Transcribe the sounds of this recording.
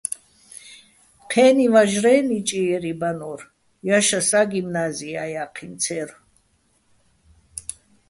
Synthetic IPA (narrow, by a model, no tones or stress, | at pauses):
qʰɛːnivaʒɾɛːnit͡ʃʼiɛɾibanɔr | jaʃasaɡimnaziajaqʰint͡sʰɛɾ